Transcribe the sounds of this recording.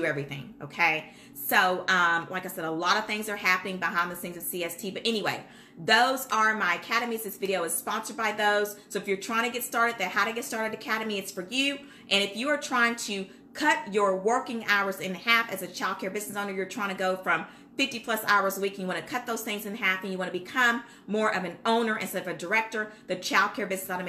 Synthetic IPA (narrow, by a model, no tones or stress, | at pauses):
ɨɛvɹiθɪ̰̃ŋoʊkʰeɪ | soʊʔʌ̃mlaɪkaɪsɛɾəlɔɾʌv̥θɪ̃ŋzə˞ɦæpənɪ̃ŋbəɦãɪ̃nðɨθɪ̃ŋzʌv̥siɛstʰibʌɾʔɛniweɪ | ðoʊzə˞maɪɨkʰæɾɨmizðɪsvɪɾioʊɨz̥spɑ̃nsə˞d̚baɪðoʊz̥soʊɨfjə˞tʰɹ̥ãɪɪ̃ŋtʰɨɡɛtstɑɹɾɨd̪̚ðɨ̃nhaʊɾɨɡɛtstɑɹɾɨɾɨkʰæɾɨmiɨtsfə˞jʉ | ʔɨ̃ɾ̃ɨfjɨə˞tʰɹ̥aɪɪ̃ŋtʰɨ | kʰʌt͡ʃə˞wɜ˞kɪ̃ŋa̰ʊə˞zɨ̃nhæfɨzɨt͡ʃʰaɪlˠd̚kʰɛɹbɪznɨs̬õʊ̃nə˞jə˞tʰɹ̥aɪɪ̃ŋtʰɡoʊfɹʌ̃m | fɪftipʰl̥ʌsa̰ʊə˞zəwikɨ̃njɨwɑ̃ñɨkʰʌt̪̚ðoʊz̥θɪ̃ŋzɨ̃nɦæfɨ̃njɨwɑ̃nɨbɨkʰʌ̃mː | ɔɹʔʌvɨ̃nõʊ̃nə˞ʔɨ̃nstɛɾʌvɨdə˞ɛk̚tə˞ðɨt͡ʃʰaɪlˠd̚kʰɛɹbɪznɨsɑɾɨm